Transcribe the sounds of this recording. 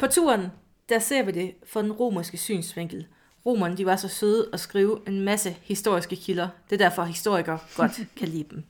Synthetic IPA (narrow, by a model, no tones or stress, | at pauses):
pʰɒ̽t͡sʰṵːɐn | d̥æɐse̝ɐ̰ʋid̥e̝fɒ̽d̥enʁo̝̰ːmɐsɡ̥əsy̰ːnsʋeŋ̰ɡ̥l̩ | ʁo̝̰ːmɐnd̥iʋɑsɒ̽søð̩ˠɒ̽sɡ̥ʁiːʊʔe̝nmæsəhisd̥o̝ɐ̰isɡ̥əkʰilɐd̥e̝d̥æɐ̰fɒ̽ɦisd̥o̝ɐ̰iɡ̥ɐɡ̥ɒ̽d̥kʰælḭːd̥em